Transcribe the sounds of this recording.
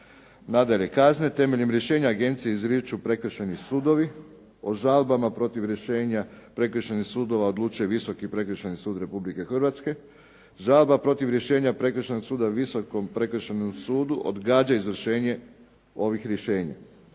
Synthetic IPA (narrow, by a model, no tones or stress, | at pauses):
nad̪aʎe̞kazne̞t̪e̞me̞ʎemɾje̞ʃe̞ːɲaːɡe̞nt̪sijeizɾjet͡ʃupɾe̞kr̩ʃenisuːd̪o̞ʋi | o̞ʒalbamapɾo̞t̪iʋɾeʃeɲapɾe̞krʃenixsuːd̪o̞ʋao̞d̪lˠuːt͡ʃuje̞ʋiso̞kipɾe̞kr̩ʃenisuːd̪ɾe̞publike̞xr̩ʋat̪ske̞ | ʒalbapɾo̞t̪iʋɾje̞ʃe̞ːɲapɾe̞kr̩ʃenoɡsuːd̪aʋisokompɾe̞kr̩ʃenomsuːd̪uʔo̰d̪ɡaːd͡ʒaizʋr̩ʃe̞ːɲe̞ | o̞ʋixɾje̞ʃe̞ːɲa̰